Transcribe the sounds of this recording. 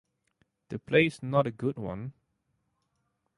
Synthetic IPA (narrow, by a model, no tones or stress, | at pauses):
d̥əpʰlesnɔɾəɡudwã̰n